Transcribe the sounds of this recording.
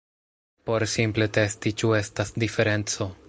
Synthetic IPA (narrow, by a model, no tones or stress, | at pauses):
po̞ɾsimple̞te̞stit͡ʃue̞stasdife̞ɾe̞nt͡so̞